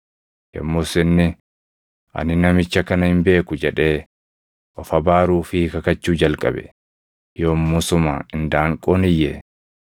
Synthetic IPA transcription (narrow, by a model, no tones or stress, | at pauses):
jɐ̰mːoːsɪnːɪ | ʔɐ̰nɪnɐmɪt͡ʃːɐkɐnɐhɪmbe̞ːkʊd͡ʒɛᶑe̞ː | ʔɔfɐbaːɾuːfɪkɐkɐt͡ʃːuːd͡ʒɐlkʼɐ̰bɛ̰ | joːmːʊsʊma̰ːɪnd̪aːŋkʼoːnɪjːɛ